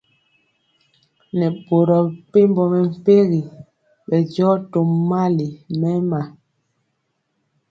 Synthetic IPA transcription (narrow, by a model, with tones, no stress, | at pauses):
nɛ˨bo˨ɾɔ˨pe˦mbɔ˨mɛ˨m̩˨pe˦ɣi˨ | ɓɛ˨d͡ʒɔː˦to˨mːa˦li˨mɛ˦ma˨